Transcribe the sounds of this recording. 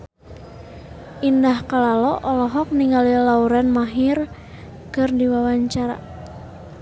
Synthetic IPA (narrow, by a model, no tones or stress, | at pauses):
ʔindahkalalɔʔɔlɔɦɔk̚niŋalilauɾɛnmaɦɪr | kɨrdiwawaɲt͡ʃaɾa̰